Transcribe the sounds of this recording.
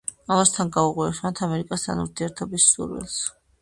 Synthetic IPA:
amast̪ʰanɡauqʼwiɛʃmant̪ʰamɛɾikʼast̪ʰanuɾt̪ʰiɛɾt̪ʰɔbisːṵɾwɛ̰lˠs

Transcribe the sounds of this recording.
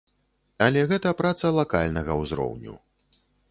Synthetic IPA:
ɐlʲɛɣɛt̪ɐpɾat̪sɐlˠaka̰lʲnɐɣɐwzɾɔ̰wnʲṵ

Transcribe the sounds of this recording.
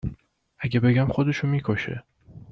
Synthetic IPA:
ʔæɟʲebe̞ɡæmxod̪e̞ʃomiːkʰoʃḛ

